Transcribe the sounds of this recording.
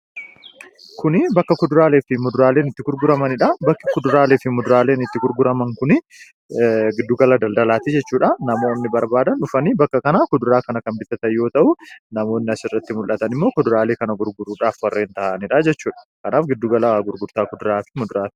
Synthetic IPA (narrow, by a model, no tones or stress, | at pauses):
kʊnɪbɐkːɐkʊd̪ʊɾaːleːfɪmʊd̪ʊɾaːle̞ːnɪt̪ːɪɡʊɾɡʊɾɐmɐnɪᶑɐbɐkːɪkʊd̪ʊɾaːleːfɪmʊd̪ʊɾaːleːnɪt̪ːɪɡʊɾɡʊɾɐmɐŋkʊnɪ | ɡɪd̪ːuːɡɐlɐd̪ɐld̪ɐlaːt̪ɪd͡ʒɛt͡ʃːuːᶑɐnɐmo̞ːnːɪbɐɾbaːd̪ɐnʊfɐniːbɐkːɐkɐnaːkʊd̪ʊɾaːkɐnɐkɐmbɪt̪ːɐt̪ɐjjo̞ːt̪ɐʔunɐmo̞ːnːɪɐsɪrːɐt̪ːɪmʊlʔɐt̪ɐnɪmːo̞ːkʊd̪ʊɾaːleːkɐnɐɡʊɾɡʊɾuːᶑaːfwɐrːe̞ːnt̪ɐʔnɪᶑɐd͡ʒɛt͡ʃːuːᶑɐ̥kɐnaːfɡɪd̪ːuːɡɐlɐɡʊɾɡʊɾt̪aːkʊd̪ʊɾaːfɪ̥mʊd̪ʊɾaːt̪ː